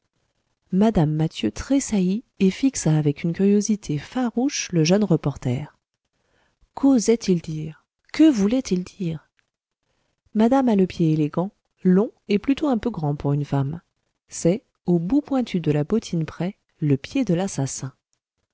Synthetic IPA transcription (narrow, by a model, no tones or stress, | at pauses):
mad̪amːat̪jøt̪χesaji | efiksaːvɛkynkʲyʁjozit̪ʰefaʁuʃləʒœnʁəpɔʁt̪ɛːʁ | kʰozɛt̪ʰild̪iːʁ | kəvulɛt̪ild̪iːʁ | mad̪amaləpjeeleɡɑ̃ | lɔ̃eplyt̪oɛ̃pøɡʁɑ̃puʁynfam | sɛ | obupwɛ̃t̪ʰyd̪əlabot̪ʰinpχɛ | ləpjed̪əlasasɛ̃